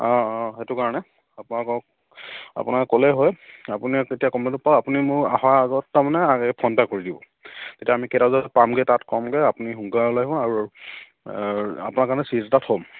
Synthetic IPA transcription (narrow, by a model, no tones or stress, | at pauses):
ɔ̃ɔ̃xetukaɹɔnɛ | apunaɹkɔ | a̰punakɔlɛɦɔjapunietijakɔmɔtʊpaʊapunimʊɹa̰xaːɡɔtːamanɛaɛpʰɔntakoɹidibɔ̰ | tetiaːmikɛtazapamɡɛtatkɔmɡɛapuniɦuŋɡaɹɔlajɔ̃naɹu | a̰punaɹkaɹɔnɛsizɔtathom